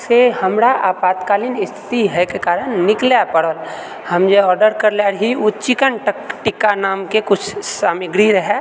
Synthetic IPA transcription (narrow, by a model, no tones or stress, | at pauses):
sehɐmɾaʔaːpaːt̪kaːlinɪst̪ʰɪ̥t̪iɦɛkekaːɾəɽ̃nɪklapəɽol | hɐmd͡ʒoɔːɾɖəɾkəɾlaːɽɦiʊt͡ʃikənʈəkʈɪkanaːmkekʊt͡ʃʰsaːmɪɡɾiɾəɦɛ